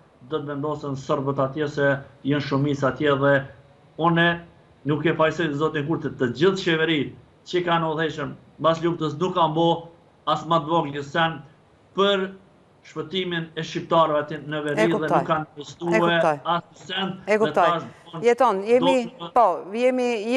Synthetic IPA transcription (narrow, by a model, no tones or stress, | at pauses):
d̪ɔt̪vɛnd̪ɔsɛnsəɾbət̪at̪jɛsɛjənʃumit͡sat̪jɛðɛ | unɛ | nukɛfajsɔjzɔt̪iŋkuɾt̪ət̪ːəd͡ʑiθʃɛvɛɾit̪̚ | t͡ɕəkanəuðhɛʃəm | basluft̪əs̬nukːambɔ | asmat̪̚vɔɡləsɛn | pəɾ | ʃpət̪iminɛʃip̚t̪aɾvɛt̪nəvɛɾiðɛukːanəst̪uɛasusɛnt̪ɛkuɛaʃɔnjɛt̪ɔnjɛnipɔjɛmi